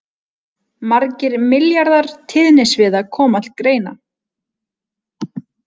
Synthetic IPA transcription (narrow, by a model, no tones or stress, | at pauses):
maɾcɪɾmɪljaɾðaɾ̥t̪ʰɪðnɪsvɪðakʰɔːmal̚kɾeːjna̰